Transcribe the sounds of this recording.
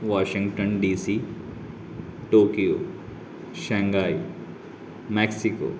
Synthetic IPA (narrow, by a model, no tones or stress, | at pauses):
ʋaːʃɪ̃ŋɡʈənɖiːsi | ʈoːkijoː | ʃɛ̃ːŋɡaːi | mɛːksiko̰ː